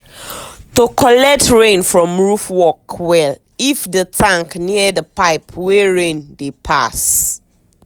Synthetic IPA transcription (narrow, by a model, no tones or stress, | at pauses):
tokʰɔlɛk̚tɹẽnfɹɔ̃mɹufwɔkwɛl | ifdətʰãŋkniədəpaɪpʰwɛɹẽndepʰa̰s